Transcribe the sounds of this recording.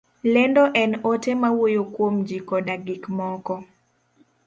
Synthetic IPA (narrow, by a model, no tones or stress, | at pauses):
lɛndɔʔɛnotemawojokwomd͡ʒikɔdaɡikmɔkɔ